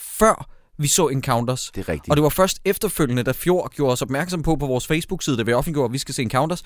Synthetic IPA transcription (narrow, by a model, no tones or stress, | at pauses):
fɶɐ̰ | ʋisɔ̰ːenkʰɑ̈ʊnd̥ɐsd̥eʁɛɡ̥d̥ɒ̽d̥e̝ʋɑ̈fɶɐsd̥efd̥ɐføl̰jənəd̥æfjo̝ɐ̰ɡ̥jo̝ːɐɒ̽sɒ̽b̥mæɐɡ̥sɒ̽m̰pʰɒ̽pʰɒ̽ʋɒːsfeɪsb̥uɡ̥siːð̞ˠəʋe̝ɒ̽fnliɡ̥̰ɐæʋisɡ̥æse̝̰ːenkʰɑ̈ʊnd̥ɐs